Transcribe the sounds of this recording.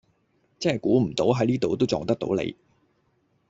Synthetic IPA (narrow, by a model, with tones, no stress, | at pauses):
t͡sɛ˥ɐ˨jkuː˨˥m̩˨˩t̪o˨˥wɦɐ˨˥jliː˥t̪o˨wt̪o˥wt͡sɔː˨˧ŋt̪ɐ˥k̪̚o̰˨˥wlḛ˨˧j